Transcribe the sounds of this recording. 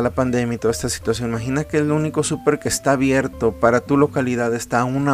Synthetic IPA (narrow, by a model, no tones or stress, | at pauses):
lapand̪e̞mjait̪o̞ðaest̪asi̥t̪wasjo̞nmaxinakeluniko̞supe̞ɾke̞st̪aːβje̞ɾt̪o̞paɾat̪ulo̞kaliðaðest̪auna